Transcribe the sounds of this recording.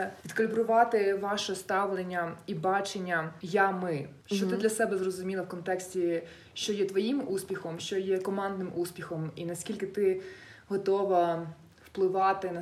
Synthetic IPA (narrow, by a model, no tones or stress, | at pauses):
pʲid̪kɔlʲibɾʊʋɑt̪ɪʋɑʃɛst̪ɑʋlˠenʲːɐibɑt͡ʃenʲːɐjamɪ | ʃt͡ʃɔt̪ɪd̪lʲɐsɛbɛzrɔzʊmʲilˠɐwkɔnt̪ɛksʲtʲi | ʃt͡ʃɔjɛt̪ʋɔjimuspʲixɔmʃt͡ʃɔjɛkɔmɑnd̪nɪmʔuspʲixɔminɐsʲkʲilʲkɪt̪ɪɦɔt̪ɔʋɐ | wplˠɪʋɑt̪ɪnɐ